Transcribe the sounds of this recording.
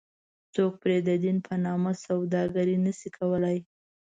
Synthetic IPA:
t͡sok̚pɾed̪əd̪inpʰənɑmasawd̪ɑɡəɾinəʃikʰawəlaj

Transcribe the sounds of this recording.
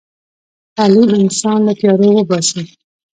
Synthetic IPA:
t̪ɑlimɪnsɑnlat̪jɑɾowəbɑsə

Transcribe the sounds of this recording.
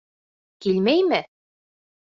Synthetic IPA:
kilmæjmɘ

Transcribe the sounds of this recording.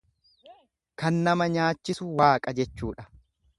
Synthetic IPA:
kɐnːɐmɐɲaːt͡ʃːɪsʊwaːkʼɐd͡ʒɛt͡ʃːuːᶑɐ̥

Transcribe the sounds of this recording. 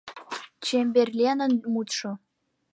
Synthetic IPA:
t͡ɕembʲerʲlʲenə̆nmut̪ʂŏ

